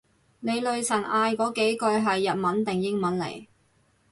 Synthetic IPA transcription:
ne˨˧jlɵ˨ɥsʰɐ˨˩nʔaː˧jkɔː˨˥ke˨˥jkɔ˧jɦɐ˨jːɐ˨t̚mɐ˨˥nt̪ɛ˨ŋjɪ˥ŋmɐ˨˥nlḛ˨˩j

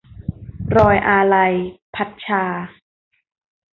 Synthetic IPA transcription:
ɾɔː˧jʔaː˧ɾa˧jpʰa˧t̪̚t͡ɕʰaː˧

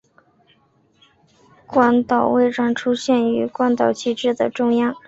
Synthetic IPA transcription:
kwa˥nt̪ɑ˨˩ʊwe˥˧ɪʈ͡ʂɑ˥˩ŋʈ͡ʂʰu˥ɕjɛ˥˩ny˧˥kwa˥nt̪ɑ˨˩ʊt͡ɕʰi˥˧ʈ͡ʂɻ̩˥˩d̪ə˩ʈ͡ʂʊ˥˧ŋjɑ˥˩

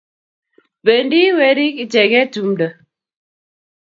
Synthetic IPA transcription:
pe˨ndi˦we˨˦ɾi˦ki˦t͡ʃɛ˨ɣɛ˦tu˨mdə˨

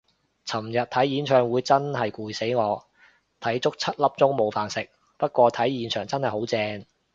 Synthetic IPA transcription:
t͡sʰɐ˨˩mjɐ˨t̚t̪ʰɐ˨˥jiː˨˥nt͡ʃʰœː˨ŋwuː˨˧jt͡sɐ˥nɦɐ˨jkʷuː˨jse˨˥jŋɔː˨˧ | t̪ʰɐ˨˥jt͡ʃʊ˥k̚t͡sʰɐ˥t̚lɐ˥p̚t͡sʊ˥ŋmo˨˧wfaː˨nsɪ˨k̚ | pɐ˥t̚kʷɔː˧t̪ʰɐ˨˥jjiː˨˧nt͡ʃʰœː˨˩ŋt͡sɐ˥nhɐ˨jho˨˥wt͡sɛː˧ŋ

